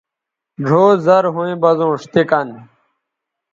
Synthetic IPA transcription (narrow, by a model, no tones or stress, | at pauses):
ɖʱoːzɐɾɦũĩbɐzõːʂt̪ikɐn